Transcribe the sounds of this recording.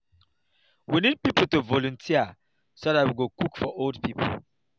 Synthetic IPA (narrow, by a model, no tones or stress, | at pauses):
winid̚pipəl̩tuvɔlũntʰiə | sodatwiɡokukfɔʔoldpʰipʰə̰l